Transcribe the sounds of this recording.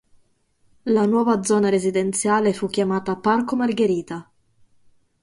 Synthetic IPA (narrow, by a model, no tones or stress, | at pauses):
lanwɔːvad̪zɔːnaɾezid̪ent̪sjaːlefukːjamaːt̪aparkomarɡeɾiːt̪a